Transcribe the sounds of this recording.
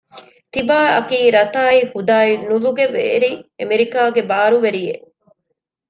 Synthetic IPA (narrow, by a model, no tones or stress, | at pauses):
t̪ibaːɐ̰kiːɾɐt̪aːihud̪aːinuluɡeʋḛːɾiemeɾikaːɡebaːɾuʋeɾije